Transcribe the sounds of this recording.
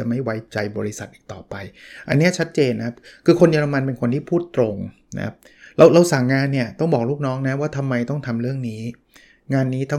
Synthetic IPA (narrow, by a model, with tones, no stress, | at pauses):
a˨˩ma˥˩jwa˦˥jt͡ɕa˧jbɔː˧ɾi˦˥sa˨˩t̪̚ʔiː˨˩t̪ɔː˨˩pa˧jʔa̰˧nːi˦˥ɐ˩t͡ɕʰa˦˥t̪̚t͡ɕeː˧nːa˧kʰa˦˥p̚kʰɯː˧kʰo˧njaː˧ɾa˧ma˧npe˧nkʰo˧nt̪ʰiː˥˩pʰuː˥˩t̪ːɾo˧ŋ | na̰˦˥kʰa̰˦˥p̚ | ɾa˧wɾa˧wsa˨˩˦ŋːaː˧nːi˥˩ɐt̪ɔ˥˩ŋbɔː˨˩k̚luː˥˩k̚nɔː˦˥ŋna˦˥waː˥˩t̪ʰa˧mːa˧jt̪ɔ˥˩ŋt̪ʰa˧mɾɯ˥˩əŋniː˦˥ | ŋaː˧nːiː˦˥t̪ʰa˥˩